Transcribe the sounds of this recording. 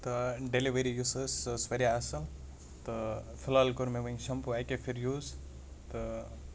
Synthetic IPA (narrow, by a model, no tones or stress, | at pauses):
t̪ɨɖeliʋeɾijusɐssʋɐɾʲjaːsɐl | t̪ɨ | fʰilaːlkuɾmeʋɐŋʃɐmpuajkefʰiɾjuːz | t̪ɨ